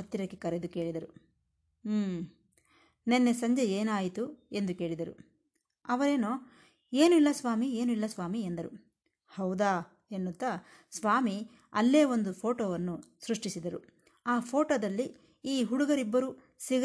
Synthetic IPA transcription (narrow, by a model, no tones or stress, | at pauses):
ɐt̪ːiɾɐkːekɐɾed̪uke̞ːɭid̪ɐɾuː | nenːesɐɲd͡ʒeeːnaːjit̪ue̞nd̪uke̞ːɭid̪ɐɾṵ | ɐʋɐɾeːnoː | e̞ːnuilːɐsʋaːmie̞ːnuilːɐsʋaːmiend̪ɐɾṵ | hɐwd̪aː | enːut̪ːɐ | sʋaːmi | ɐlːeːo̞nd̪upʰo̞ːʈoːʋɐnːusɾuʂʈisid̪ɐɾu | aːpʰo̞ːʈoːd̪ɐlːi | iːɦuɽuɡɐɾibːɐɾu | siɡ